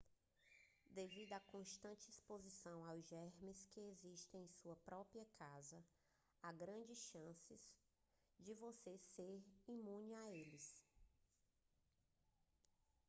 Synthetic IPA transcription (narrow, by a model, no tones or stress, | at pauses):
d̪evid̪ʊakõʃt̪ɐ̃nt͡ʃɪispozisɐ̃w̃awzʒɛɾmɪskɪeziʃt̪ẽj̃ẽj̃suɐpɾɔpɾiɐkʰazɐ | aɡɾɐ̃d͡ʒɪsʃɐ̃sɪz̥ | d͡ʒɪvoseseɾimũnɪaelɪs